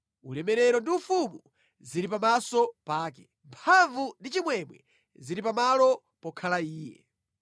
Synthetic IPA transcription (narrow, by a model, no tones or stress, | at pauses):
ulɛmɛɾɛɾɔndiufumu | ziɾip̬amasɔpaːk̬ɛ | mpʰaɱvundit͡ʃimwɛmwɛ̰ | ziɾip̬amalɔ | pɔkʰalaiːjɛ̰